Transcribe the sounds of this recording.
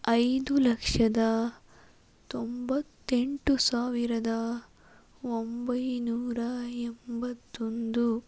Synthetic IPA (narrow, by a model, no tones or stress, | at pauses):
ɐjd̪ulɐkʂɐd̪ɐ | t̪ombɐt̪ːe̞ɳʈusaːʋiɾɐd̪ɐ | ombɐjnuːɾɐembɐt̪ːo̞nd̪u